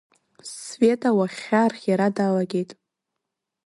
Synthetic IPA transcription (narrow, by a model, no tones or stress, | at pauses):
sve̞tʼawaχʲarχʲjaɾadalaɡʲe̞jtʼ